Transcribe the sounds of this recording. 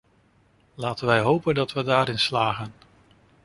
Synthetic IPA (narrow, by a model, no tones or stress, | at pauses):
laːtənʋɛjɦowpəndɑtʋədaːɾɪnslaːχən